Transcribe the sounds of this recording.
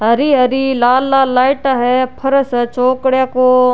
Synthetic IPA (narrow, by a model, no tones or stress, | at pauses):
ɦɐɾiɦɐɾilaːlːaːlaːɪʈaːɦepʰɐɾsɐt͡ʃoːkɽjaːkoː